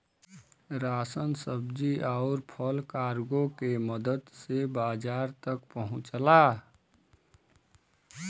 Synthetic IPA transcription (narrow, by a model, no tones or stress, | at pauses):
ɾasənsəbd͡ʒiʔaʊɾpʰəlkaɾɡokeməd̪əd̪sebad͡ʒaɾt̪əkpəɦũt͡ʃla